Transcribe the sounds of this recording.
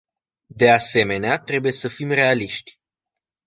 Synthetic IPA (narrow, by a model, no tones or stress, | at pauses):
d̪e̞ase̞me̞neat̪ɾe̞buje̞səfimre̞aliʃt̪ʲ